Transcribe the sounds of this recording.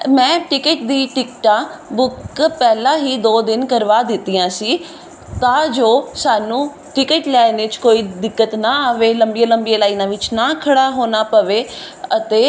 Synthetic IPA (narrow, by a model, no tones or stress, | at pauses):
mɛ̃ːʈɪkəʈ̚d̪iːʈɪkʈãːbʊkpɛːlãːɦiːd̪oːd̪ɪnkəɾʋaːd̪ɪt̪ːiːãːsiː | t̪ãːd͡ʒoːsaːnũː | ʈɪkəʈlɛːɪnet͡ʃkoːiːd̪ɪkːət̪naːaːʋeːləmbiːãːləmbijaːlaːiːnãːʋɪt͡ʃnaːkʰəɽaːɦoːnaːpəʋeːət̪eː